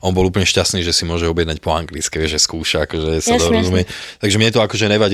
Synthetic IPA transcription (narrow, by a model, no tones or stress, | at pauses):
ʔɔnbɔluːp̬lɲɛʃcast̪niːʒɛsimʊɔʒɛɔbjɛd̪nac̚pɔaŋɡlit͡skɛʋɪɛʒʒɛskuːʃaakɔʒɛsad̪ɔɾɔzumɛt̪aɡʒɛmɲɛt̪ɔakɔʒɛnɛʋaɟ